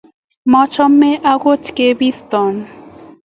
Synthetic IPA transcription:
mɔt͡ɕʰɔmːeʔaɡot͡ʃkebist̪ɔm

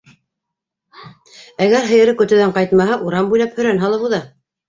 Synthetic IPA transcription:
æɡæɾɦɤ̆jɤ̆ɾɤkɵ̆t̪ɵ̆ðæɴqɑjt̪mɑɦɑʔuɾɑmbujlɑphɵ̆ɾænɦɑlˠɤβuðɑ

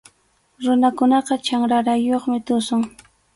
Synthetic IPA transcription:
ɾʊnakʊnɑqɑt͡ʃaŋɾaɾajoχmɪt̪ʊsʊŋ

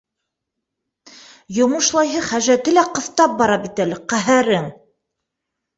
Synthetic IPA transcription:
jŏmɤ̆ʃlˠɑjɦɤχæʒæt̪ɘlæqɤ̆θt̪ɑp̚bɑɾɑbit̪ælɘqæɦæɾɘŋ

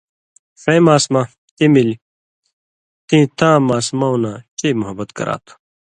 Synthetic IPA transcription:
fẽjmaːsma | t̪ĩmil | t̪ĩt̪ãːmaːsmaunãːt͡ɕeːmʊɦɐbɐt̪kɐ̰ɾa̰ːt̪ʰu̥

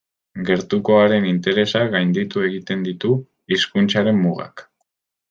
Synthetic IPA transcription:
ɡe̞ɾt̪uko̞aɾe̞nint̪e̞ɾe̞saɣajnd̪it̪ue̞ɣit̪e̞nd̪it̪u | iskunt͡ʃaɾe̞mːuɣa̰k

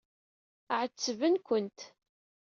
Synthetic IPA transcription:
ʕət͡sːəvənkʷənt̪

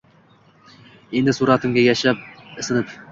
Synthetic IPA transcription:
end̪ɪsuɾɑt̪ɪmɡʲajaʃap̚ɪsɪnɪp

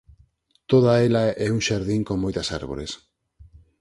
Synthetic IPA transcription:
t̪oð̞aelaʔɛuŋʃaɾðiŋkoŋmojt̪ɐsa̰ɾβo̰ɾḛs

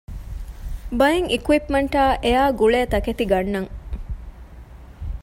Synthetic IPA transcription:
bɐjeŋikuwipmɐɳʈaːʔejaːɡuɭeːɐt̪ɐket̪iɡɐɳːɐŋ

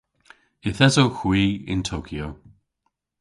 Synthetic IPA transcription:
ɪθɛzowxwiːɪ̰ntʰoːkʰio

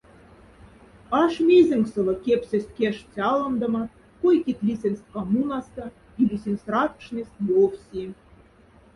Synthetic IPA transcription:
ɑʃmʲezʲɘ̆ŋksɤ̆lɤ̆kʲepʲsʲɘ̆sʲt̪̚ʲkʲeʃt͡sʲɑlˠɤ̆md̪ɤ̆mɑ | kojkʲit̪ʲlʲisʲĕnʲsʲt̪̚ʲkɑmunɑst̪ɑ̆ | ilʲisʲenʲsrɑt̪ʂnʲisʲt̪ʲjofsʲi

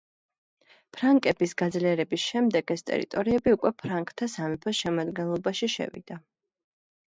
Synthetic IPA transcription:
pʰɾaŋkʼɛbisɡad̪zliɛɾɛbisʃɛmd̪ɛɡɛst̪ʼɛ̰ɾḭt̪ʼɔɾiɛbiukʼwɛpʰɾaŋkʼt̪ʰːasamɛpʰɛsʃɛmad̪ɡɛnlˠɔbaʃiʃɛ̰vḭd̪a

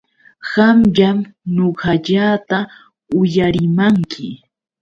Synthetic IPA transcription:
ɢamʎamnoɢaʎaːt̪a | ʊjaɾɪmaŋkʰɪ

